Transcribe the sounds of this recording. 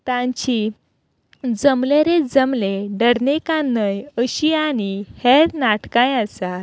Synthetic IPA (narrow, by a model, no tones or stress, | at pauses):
t̪ãɲt͡ɕi | d͡zəmleɾed͡zəmleɖəɽnekãnːəjəɕianiheɾnaʈkãjəsa